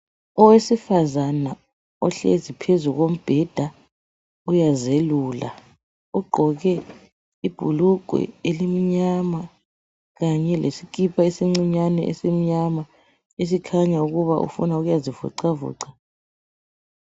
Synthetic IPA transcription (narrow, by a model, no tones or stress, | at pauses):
ɔwesifazana | ɔɬɛ̰zipʰezuɣom̩b̥ʱɛd̥ʱa | ujazeluːla̰ | uɡ͡ǃʱɔɣɛ | ib̥ʱuluǃʱwɛ̰elim̩ɲama | ɣaɲɛlʔesik̬ʼipʰaesiŋ͡ǀiɲanɛ̰ʔɛ̰sim̩ɲama | es̬ikʰaɲauɣuβaʔṵfṵnauɣujazivṵǀavṵːǀḁ